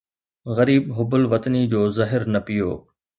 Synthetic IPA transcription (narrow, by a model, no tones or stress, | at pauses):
ɣɐɾiːbɦʊbʊlʋɐt̪nid͡ʑoːzɐɦɪɾnɐpɪjo̰ː